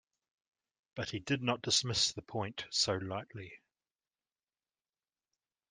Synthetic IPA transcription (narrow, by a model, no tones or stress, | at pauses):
b̥ʌʔhidɪdⁿnəʔ̚d̥ɪsmɪsðəpʰɔ̃ɪ̃ntsəʊlaɪʔli